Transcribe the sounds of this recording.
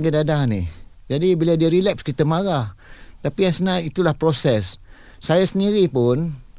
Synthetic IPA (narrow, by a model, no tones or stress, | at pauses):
ɡidadanih | d͡ʒadibiladiəɾilɛp̚skit̪əmaɾaht̪apijaŋsənãit̪ulahpɾosɛsː | ajasəndiɾipʊn